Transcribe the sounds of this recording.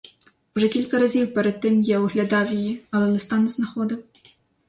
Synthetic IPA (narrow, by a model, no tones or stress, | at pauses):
uʐɛkʲilʲkɐɾazʲiwpɛɾɛd̪̚tːɪmjɛwuɣlʲad̪ɑwjijiɐlˠɛlˠɛst̪anɪznaxɔd̪ɨw